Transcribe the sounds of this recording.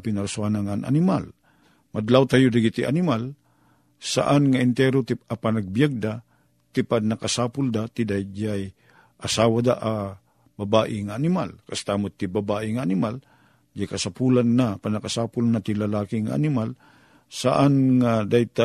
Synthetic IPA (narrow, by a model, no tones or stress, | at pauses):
pɪnaɾasuanaŋanʔa̰nɪmal | mad̪lawt̪ajod̪aɡit̪iʔa̰nɪmal | sa̰ʔanŋaɪnt̪ɛɾot̪ɪapanaɡ̚bjaɡ̚d̪a | t̪ɪpanakasaːpʊld̪at̪ɪd̪ajd͡ʒaj | ʔasaːwad̪aʔa | babaːʔɪŋaːnɪmalkast̪amʊt̪ːibabaːʔɪŋaːnɪmal | d͡ʒakasapulanːapanakasaːpʊlnat̪ilalaːkiŋa̰ʔa̰nɪmal | saʔanŋad̪ajt̪a